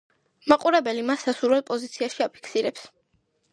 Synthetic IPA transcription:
maqʼuɾɛbɛlimasːasuɾwɛlˠpʼɔzit̪sʰiaʃiapʰi̥kʰsiɾɛps

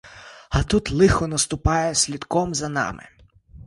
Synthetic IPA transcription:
ɐt̪ut̪lˠɪxɔnɐst̪ʊpɑjɛsʲlʲid̪kɔmzɐnɑ̰mɪ̰

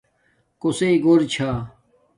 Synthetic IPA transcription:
koseiɡoɾt͡ɕʰaː

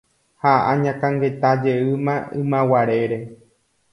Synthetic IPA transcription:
haʔãɲãkãŋɡe̞t̪ad͡ʒeɨmãɨ̃mãwaɾe̞ɾe̞

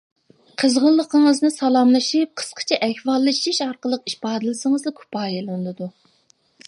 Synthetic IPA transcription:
qʰəzʁəlˠːəqʰəŋəznɨsɑlˠɑmlˠɨʃip̚qʰə̥sqʰə̥t͡ʃʰɛʔɛhwɑlˠːɨʃʃiʃɑɾqəlˠəqiʃpɑːd̪ɨlɨsɨŋəzd̪ɨkʲʰu̥pɑːjelˠɨnd̪ɨd̪u

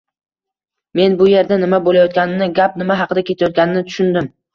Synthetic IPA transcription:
me̞nbʊje̞ɾd̪anɪmabolajɒt̪̚ɡʲanɪnɪɡʲap̚nɪmaɦɑqʰɨd̪akʲʰe̞t̪ʰajɒt̪̚ɡʲanɪnɪt̪ʰʊ̥ʃʊnd̪ɪm

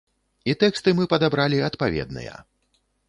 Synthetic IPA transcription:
it̪ɛkst̪ɨmɨpɐd̪abɾalʲiɐt̪pavʲɛ̰d̪nɨ̰jɐ̰

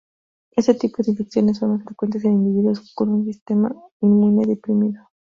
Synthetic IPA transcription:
eset̪ipoðeliksjo̞nes̬ːonmasfɾekwe̞nt̪es̬enind̪iβ̞iðuoskonuns̬ist̪ema̰imũneðepɾimiðo

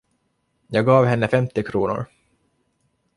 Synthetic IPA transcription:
jɑːɡɑːvɦɛnːəfɛmt̪ɪkʰɾuːnʊ̰ɾ

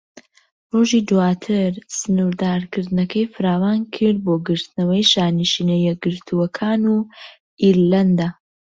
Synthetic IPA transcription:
roʒiːd̪uwaːt̪ʰɨɾsɨnuɾd̪aːɾkɨɾd̪ɨnɐkʰɐjfɨɾaːwaːnkʰɨɾd̪̚boːɡɨɾt̪ɨnɐwɐjʃaːniʃiːnɐjɛɡɨɾt̪ʰuɐkʰaːnu | iɾlɐnd̪a

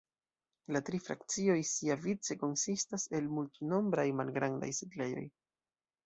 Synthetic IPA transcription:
latɾifɾa̰kt͡sio̞jsiavit͡se̞ko̞nsistase̞lmultuno̞mbɾajmalɡɾanda̰jsiɡle̞jo̞̰j

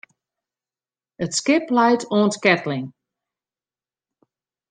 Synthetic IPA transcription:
ətskɪplajtʰɔːntkɛtlɪŋ

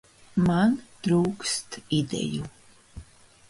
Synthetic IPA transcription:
mand̪̥ɾuːkst̪ʰid̪ɛ̰ju

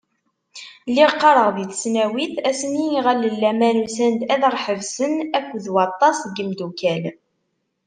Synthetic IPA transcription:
lːiqːɑɾˤəʁðiθsnæwiθæsəniʁælːəlːæmænusænd̪æðʁˤħəvsənækʷːðwɑt̪ˤːɑsˤɡəmd̪ukæl

